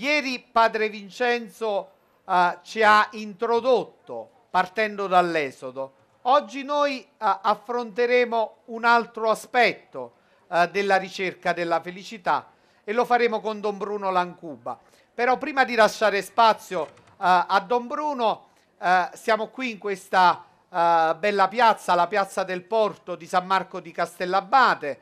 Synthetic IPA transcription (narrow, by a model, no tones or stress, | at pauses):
jɛːɾipaːd̪ɾevint͡ʃɛnt̪so | t͡ʃiaint̪ɾod̪ot̪ːo | part̪ɛnd̪od̪alːɛːzod̪o | ɔd͡ʒːinoːjafːɾont̪eɾeːmounalt̪ɾoaspɛt̪ːo | d̪elːaɾit͡ʃerkad̪elːafelit͡ʃit̪a̰ | elːofaɾeːmokond̪ɔmbɾuːnolaŋkuːbːa̰ | peɾɔpːɾiːmad̪ilaʃːaːɾɪspat̪sːjo | ad̪ːɔmbɾuːno | sjaːmokwiːŋkwest̪a | bɛlːapjat̪sːalapjat̪sːad̪elpɔrt̪od̪isamːarkod̪ikast̪ɛlːabːaːt̪e